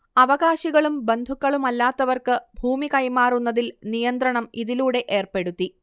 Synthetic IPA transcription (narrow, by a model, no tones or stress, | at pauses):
ɐʋɐɣaːɕiɣɐɭumbe̞nd̪ʱukːɐɭumɐlːaːt̪ːɐʋɐrkɨbʱuːmikɐjmaːrunːɐðilnijɐnd̪ɾɐɳɐmiðiluːɽe̞ʔeːrpe̞ɽut̪ːi